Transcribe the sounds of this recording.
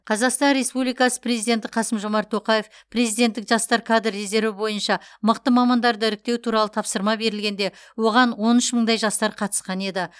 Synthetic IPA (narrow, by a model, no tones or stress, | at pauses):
qʰɑzɑqst̪ɑnɾe̞spublijkɑsə̥pre̞zijd̪e̞nt̪ɪqʰɑsəmʒo̞mɑɾt̪ʰːo̞qɑje̞f | pre̞zijd̪e̞nt̪ːɪkʒ̥ɑst̪ɑɾkʰad̪rːeze̞ɾvɪbo̞jənʃɑməqt̪əmɑmɑnd̪ɑɾd̪əɪɾɪk̚t̪e̞wt̪ʰuɾɑlˠət̪ʰɑpsəɾmɑbe̞ɾɪlɡʲe̞nd̪e̞ | wo̞ʁɑnwo̞nʏʃməɴd̪ɑjʒɑst̪ɑɾqʰɑt̪ə̥sqɑne̞d̪ɪ